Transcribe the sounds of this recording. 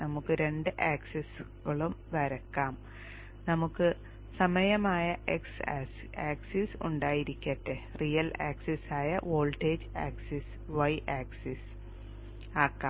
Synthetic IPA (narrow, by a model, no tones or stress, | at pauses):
nɐmukːɨɾe̞ɳɖɨʔaːkses | ɣɐɭumʋɐɾɐkːaːm | nɐmukːɨ | sɐmɐjɐmaːjɐʔeksːs | aːksisṵɳɖaːjiɾikʲːɐʈːerijɐlaːksesaːjɐʔoːlʈeːd͡ʑaːksis | ʋɐjʔaːksis | aːkːaː